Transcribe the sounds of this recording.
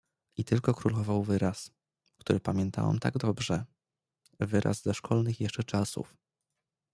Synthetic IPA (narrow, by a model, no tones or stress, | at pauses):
it̪ɘlkɔkɾulɔvawvɘɾas | kt̪uɾɘpamʲjɛnt̪a̰wa̰mt̪a̰ɡd̪ɔbʐɛ | vɘɾʔa̰zzaʂkʰɔlnɘxjɛʂt͡ʂɛt͡ʂasṵf